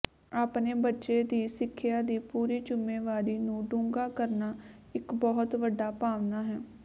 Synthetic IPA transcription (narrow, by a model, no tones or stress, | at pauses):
aːpneːbətːʃeːd̪iːsɪkʰːɪjaːd̪iːpuːɾiːt͡ʃʊmːeːʋaːɾiːnũːɖũːŋɡaːkəɾnaː | ɪkbɔːt̪ʋəɖːaːpaːʋnaːɦɛː